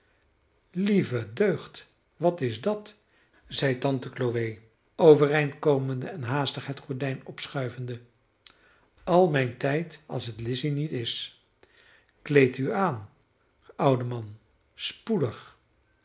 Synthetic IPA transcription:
livədøɥχt | ʋɑtɪzdɑt | zɛjtɑntəkloʋej | owvərejntkowməndəɛnɦaːstəχɦɛtχɔɹdɛjnɔpsχœɥvəndə | ʔɑlˠmɛjntɛjtɑ̰lˠsɦətlɪsinitɪs | klejtyaːn | ʌwdəmɑn | spudəχ

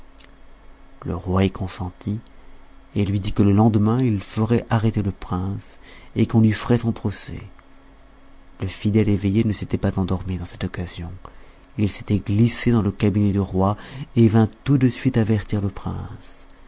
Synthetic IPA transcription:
lə̰ʁwaekʰɔ̃sɑ̃t̪ʰi | elɥid̪ikələlɑ̃d̪mɛ̃ilfəʁɛʔaʁet̪eləpχɛ̃sekɔ̃lɥifəʁɛsɔ̃pχɔsɛ̰ | ləfid̪ɛlevejenəset̪ɛpazɑ̃d̪ɔʁmid̪ɑ̃sɛ̥t̪ɔkazjɔ̃ | ilse̥t̪ɛɡlised̪ɑ̃ləkabinɛd̪əʁwaevɛ̃t̪ud̪əsɥit̪avɛʁt̪iʁləpχɛ̰̃s

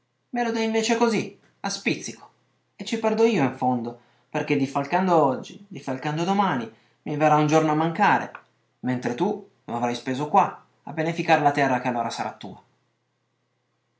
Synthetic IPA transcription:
melod̪ɛiɱveːt͡ʃekozi | aspit̪sːiko̥ | et͡ʃːipɛrd̪oiːoiɱfond̪o | perk̟ed̪ifːalkand̪oɔd͡ʒːḭd̪ifːalkand̪od̪omaːni | miveraund͡ʒornoamːaŋkaːɾḛ | ment̪ɾet̪u | noavɾajspeːzokwa | abːenefikaːɾelat̪ɛrːakealːoːɾasaɾʔa̰t̪ːṵːa

